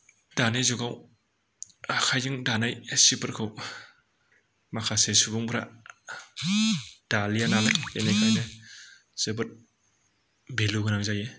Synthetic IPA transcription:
d̥anezuɡaw | kʰajɯŋdanajsibɯɾkʰɯw | makʰasesubuŋbɾa̰ | d̥alijanalakenekʰajnɯ | sibɯɾ | beluɡɯnaŋ̚zaje

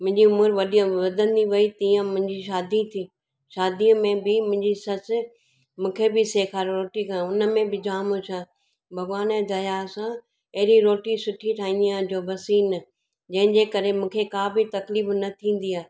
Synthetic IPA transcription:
mʊ̃ɦɪɲd͡ʑiʊmʊɾʋɐɗiə̃ʋɐd̪ʱə̃nd̪iʋɐit̪iːə̃mʊ̃ɦɪ̃ɲd͡ʑiʃaːd̪it̪ʰiː | ʃaːd̪iəmẽbɪmʊ̃ɦɪ̃ɲd͡ʑisɐt͡ɕ | mũːkʰebɪseːkʰaːɾɾoːʈikʰãʊnə̆mẽbɪd͡ʑaːmõt͡ɕʰãː | bʱɐɡʋaːnɛ̃ːd̪ɐjasã | ɐɦɪɾiɾoːʈisʊʈʰiʈʰaːɦĩnd̪ijãd͡ʑoːbʱɐsiːn | d͡ʑɐ̃ɦɪ̃ɲd͡ʑeːkɐɾemũːkʰekaːbit̪ɐkliːfnɐt̪ʰĩːn̆d̪iaːɦe

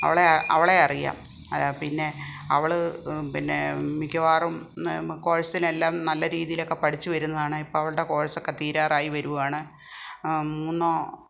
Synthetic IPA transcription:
ɐ̰ʋiɭeʔɐ̰ʋiɭeɐrija̰ːm | ɐlaːpinːe̞ | ɐʋiɭpinːḛmikɐʋaːrumko̞ːɻɐsɐt̪ːile̞lːaːmnɐlːɐɾiːðijilo̞kːe̞pɐɽit͡ɕːuʋɐɾunːɐðaːɳɨipːoːɭɐʋɐɭɨɽe̞ko̞ːɻɐsokːe̞t̪iːɾaːraːjiʋɐɾuʋaːɳɨ | muːnːoː

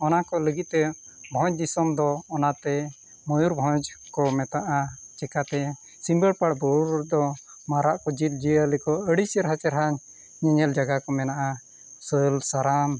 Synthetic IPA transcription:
ɔnakɔləɡit̪̚t̪ɛ | bʱɔ̃t͡ʃd̪isɔmd̪ɔːnat̪ɛ | mɔjuɾbʱɔ̃d͡ʒkɔmɛt̪aʔat͡ʃɛkat̪ɛ | simbəɽpaɽbɔɾd̪ɔ | maɾaʔkɔd͡ʒit̪̚d͡ʒialikɔəɽisəɾɦat͡ʃɛɾɦaɲ | ɲɛɲɛld͡ʒaɡakɔmɛnaʔa | sɔjɔlsaɾam

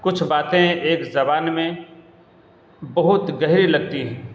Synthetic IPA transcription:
kʊt͡ʃʰbaːt̪ẽeːkzɐbaːnmẽ | bɐɦʊt̪ɡɐɦɾilɐɡ̚t̪iɦɛ̃ː

